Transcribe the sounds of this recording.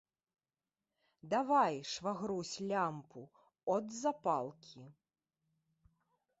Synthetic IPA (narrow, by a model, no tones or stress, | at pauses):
d̪avajʂvaɣɾusʲlʲampu | ɔd̪zapalˠkʲi